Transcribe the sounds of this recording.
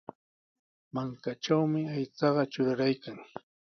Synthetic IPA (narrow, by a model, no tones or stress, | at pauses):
maŋkat͡ʃawmɪajt͡sɑɢɑt͡ʃʊɾaɾajkaŋ